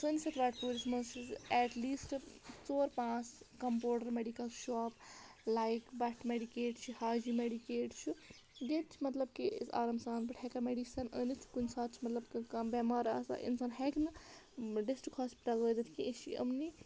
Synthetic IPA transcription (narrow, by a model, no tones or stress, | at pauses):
səːnisɐt̪ʰʋaːʈpuɾismɐsiɛʈliːsʈt͡soːɾpãt͡skɐmpoːɽɐɾmeɖikɐlʃɔaːplajkbaʈʰmeɖikeːʈt͡ʃʰihaːd͡ʒimeɖikeːʈt͡ʃʰu | ɡet̪t͡ʃʰimɐt̪lɐb̚kisa̰ːɾɐmsaːnbɐʈʰɛkɐmeɖisɐnənit̪ʰi̥kunsaːt̪̚t͡ʃʰimɐt̪lɐbkikabemaːɾa̰ːsa̰ʔḭnsɐnɦɛknɨɖesʈɾikhaːspi̥ʈɐlʋəd̪ɐt̪ʰkiet͡ʃʰiɐ̰mni